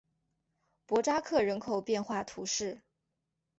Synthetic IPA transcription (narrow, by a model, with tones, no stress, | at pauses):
pwɔ˧˥ʈ͡ʂa˥kʰɤ˥˩ɻə˧˥nkʰo˨˩ʊpjɛ˥˧nxwa˥˩t̪ʰu˧˥ʂɻ̩˥˩